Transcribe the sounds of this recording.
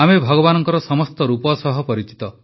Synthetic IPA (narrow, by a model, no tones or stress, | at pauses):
amebʱɔɡɔbanɔŋkɔɾɔsɔmɔst̪ɔɾupɔsɔɦɔpɔɾit͡ʃi̥t̪ɔ